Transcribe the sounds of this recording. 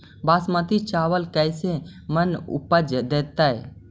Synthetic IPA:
basmət̪it͡ʃaʋəlkəjse | mənṵpəd͡ʒəd̪et̪əj

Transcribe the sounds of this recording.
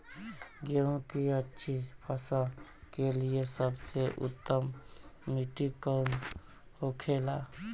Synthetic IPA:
ɡeũkiətːʃʰipʰəsakeliesəbseʔʊ̰t̪ːəmː | iʈikəm | hokʰeːla

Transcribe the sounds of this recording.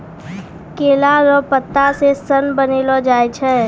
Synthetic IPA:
keːlaɾɔpət̪ːasesənbənelod͡ʒaːet͡ʃʰɛː

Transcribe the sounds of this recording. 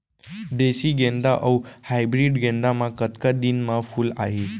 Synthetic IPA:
d̪esiɡẽnd̪aʔəwhajbɾiɖɡẽnd̪amãkət̪kad̪inmãfula̰ɦe

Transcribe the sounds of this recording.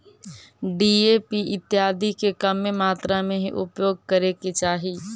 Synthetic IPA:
ɖiːepiʔɪt̪jaːd̪ʱikekəmemaːt̪ɾamẽɦiʔʊ̰pjoːɡ̚kəɾeket͡ʃaːɦi

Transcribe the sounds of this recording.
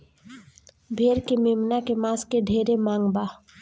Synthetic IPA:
bʱeːɾkemeːmnakemãːskeɖʱeːɾemãːŋɡbaː

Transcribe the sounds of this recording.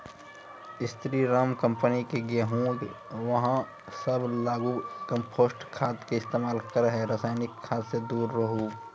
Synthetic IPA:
ɪst̪ɾiɾaːmkə̃mpənikeɡeɦũːɖ | ʋɐɦã | səblaːɡukə̃mpʰoːsʈkʰaːt̪keɪst̪eːmaːlkəɾɦɛɾəsaːɪnɪkʰːaːt̪sed̪uːɾːəɦu

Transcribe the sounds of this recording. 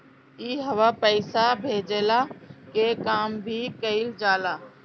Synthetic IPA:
iːɦəʋapəɪsabʱeːd͡ʒeːlakekaːmbʱikəɪld͡ʒaːlaː

